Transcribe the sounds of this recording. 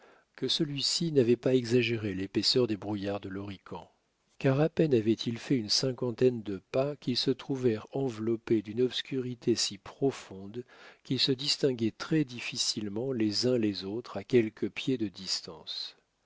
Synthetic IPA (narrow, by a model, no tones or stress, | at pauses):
kəsəlɥisinavɛpaɛɡzaʒeʁelepesœʁd̪ebʁujaʁd̪əlɔʁikʰɑ̃ | kaʁapɛnavɛt̪ʰilfɛynsɛ̃kɑ̃t̪ɛnd̪əpakʲilsət̪χuvɛʁɑ̃vlɔped̪ynɔpskʲyʁit̪esipχɔfɔ̃d̪kʲilsəd̪ist̪ɛ̃ɡʲɛt̪χɛd̪ifisilmɑ̃lezɛ̃lezot̪χakʲɛlkʰəpjed̪əd̪ist̪ɑ̰̃s